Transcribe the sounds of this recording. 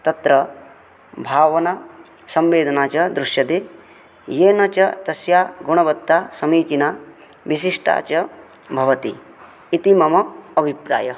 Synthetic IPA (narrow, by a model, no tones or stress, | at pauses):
t̪ɐt̪ɾɐ | bʱaːʋɐna | sɐmʋeːd̪ʱɐnaːt͡ʃɐd̪ɾuʃjɐd̪eː | jeːnɐt͡ʃɐt̪ɐsjaːɡuɳ̃ɐbɐt̪ːaːsɐmiːt͡ʃinaː | ʋisiʂʈa̰ːt͡ʃɐ | bʱɐʋɐt̪ḭ | it̪imɐmɐɐbʱipɾa̰ːjɐ